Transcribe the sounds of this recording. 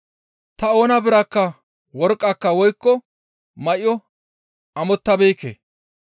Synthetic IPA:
t̪ɐo̞ːnɐbɪɾɐkːɐ | wɔɾkʼːɐkːɐwɔjkːɔ | mɐʔɪjɔ | ɐmɔt̪ːɐbeːkːḛ

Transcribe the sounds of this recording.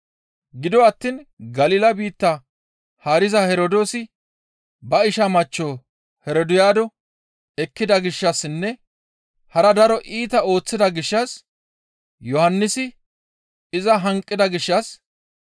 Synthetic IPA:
ɡɪd̪ɔɐt̪ːiːnɡɐliːlɐbiːt̪ːɐ | hɐɾɪzɐhɛɾɔd̪o̞ːsɪ | bɐɪʃɐmɐt͡ʃːoː | hɛɾɔd̪ʊjaːd̪ɔ | ɛkːɪd̪ɐɡɪʃːɐsɪnːɛ | hɐɾɐd̪ɐɾɔʔiːt̪ɐo̞ːt͡sːɪd̪ɐɡɪʃːɐs | jɔhɐnːɪsɪ | ɪzɐɦɐŋkʼːɪd̪ɐɡɪʃːɐs

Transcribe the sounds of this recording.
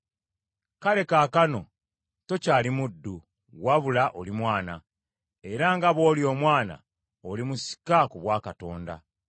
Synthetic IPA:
kale̞kaːkano̞ | to̞caːlimudːu | waβulaʔolimwaːna | e̞ɾaŋɡaβo̞ːljo̞ːmwaːna̰ | olimusi̥kakuβwaːkato̞̰ːnda̰

